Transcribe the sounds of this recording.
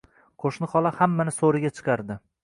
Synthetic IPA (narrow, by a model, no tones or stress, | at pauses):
qʰoʃnɪχɒlˠahamːanɪsoɾɪɡʲat͡ʃʰɨ̥qʰɑɾd̪ɪ